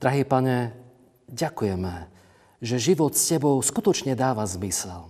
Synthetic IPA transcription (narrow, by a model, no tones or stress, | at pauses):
d̪̥ɾaɦiːpaɲɛ | ɟakujɛmɛ | ʒɛʒiʋɔt̪scɛbɔʊskut̪ɔt͡ʃɲɛd̪aːʋazmisɛl